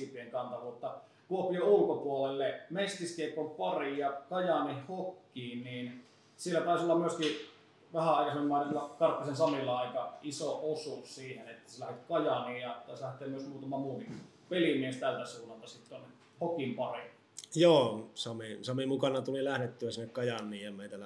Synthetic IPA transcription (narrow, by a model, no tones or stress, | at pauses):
ipieŋkɑnt̪ɑʋut̪ːɑ | kuopijoulkopuolelːemest̪iskeˑikːompɑrijɑkɑjɑnihhokːiːnniːn | sielːˑæt̪æˑisiolːɑmmyøski | ʋæhæɑˑikɑsemmːæˑnlːɑkɑrpːisensɑmilːɑɑˑikɑisoʔosussiːhenet̪ːæ̥selæhet̪kɑjɑniːjjɑt̪ɑˑslæht̪ˑeːmyøsmuːt̪ɑmɑmuːhi | pelimiest̪ælt̪æsuːnːɑlt̪ɑsit̪t̪onːe | hokimpɑri | joːsɑmisɑmimukɑnɑt̪ulilæhnet̪ːyæsinːekkɑjɑnːˑiːjjɑmeˑit̪ælæ